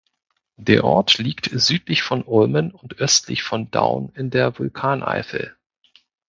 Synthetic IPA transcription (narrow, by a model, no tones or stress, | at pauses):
d̥eːɐʔɔ̰ɐtliːktz̥yːtlɪçfɔnʔʊlmənʊntʔœstʰlɪ̰çfɔnda̰ʊnɪndeːɐvʊlkʰaːnʔa̰ɪfl